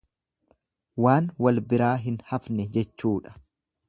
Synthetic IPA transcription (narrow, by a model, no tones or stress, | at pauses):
waːnwɐlbɪɾaːɦɪnhɐfnɛd͡ʒɛt͡ʃːuːᶑɐ̥